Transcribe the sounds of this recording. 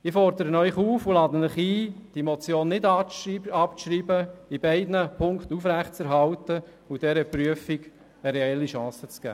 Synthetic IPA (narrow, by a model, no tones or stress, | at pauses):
ɪfɔrd̪əɾənœʏχuːfʊlɑːd̪ənɪχiːd̥imot͡sjoːnːɪd | ɑpɾiːbəibɛɪdnəpʰʊŋktufɾæχtt͡sɛɾɦɑltə | ʊd̥ɛɾəpryəfiɡ | əɾɛɛlːiʃɑ̃ːsət͡sɡ̥æ̰ː